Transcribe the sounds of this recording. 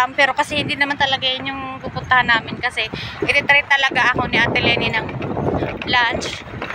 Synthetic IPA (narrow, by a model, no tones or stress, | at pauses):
ampɛːɾo̞kɐsɛhɪnd̪inɐmant̪ɐlɐɡajɪnʊŋpupʊnt̪ɐhanːaːmɪnkɐsɛʔɪɾɪt̪ɾɛjt̪ːɐlɐɡaʔɐko̞nɪʔat̪ɛlɛːninɐŋ | lant͡ʃ